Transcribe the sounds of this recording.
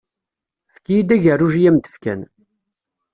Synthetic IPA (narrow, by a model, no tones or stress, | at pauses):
fkijid̪æʝərːuʒijæmt̪ə̥fkæ̰n